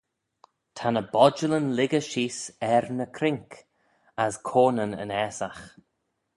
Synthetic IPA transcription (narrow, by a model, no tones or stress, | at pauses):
tʰanəbɔd͡ʒələnlɪɡəʃiːsɛɾnəkʰɾɪŋk | əskʰoːnənə̰nɛːsax